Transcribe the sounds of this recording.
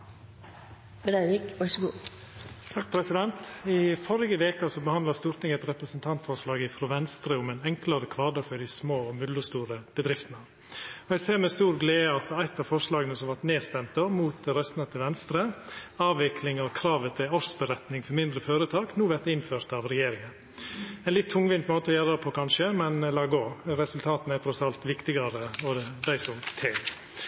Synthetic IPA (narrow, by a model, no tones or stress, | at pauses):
bɾæɪʋɪkʋɑʂɡuː | t̪ʰɑk̚pʰɾɛsɪd̪ɛnt̪ɪfɔɾɪɡəʋeːkəsɔbəhɑnd̪lɑst̪uːɾt̪ʰɪŋɛt̪ɾɛpɾəsənt̪ʰɑnt̪fɔɾʂlɑːɡɪfɾɔʋɛnst̪ɾəʊmæɪnɛŋklɑɾəkʰʋɑːɖəfɔɖɪsmoːɔmʉd̪ləst̪uːɾəb̥əd̪ɾɪft̪ənə | ɔæɪseːɾmɛst̪uːɾɡleːɑt̪æɪt̪ːɑʋfɔɾʂlɑːɡənəsɔmʋɑʈneːst̪ɛmt̪omuːt̪̚ɾɛst̪nɑt̪ʰɪlʋɛnst̪ɾəɑːʋɪklɪŋɔkʰɾɑːʋət̪ʰɪlɔɾsbəɾɛt̪nɪŋfɔɾmɪnd̪ɾəføːɾət̪ʰɑːknuːʋæɾt̪d̪ɪnføːɾt̪ɑʋɾɛjeːɾɪŋən | ɛɪnlɪt̪ʰːʊŋʋɪnmoːt̪əɔjæɾɑpʰɔkʰɑnʃəmɛnlɑːɡoːɾɛsʉlt̪ʰɑːt̪n̩æɾt̪ʰɾɔsɑlt̪ʋɪkt̪ɪɡɑɾəɔd̪æɪsɔmt̪ʰɪl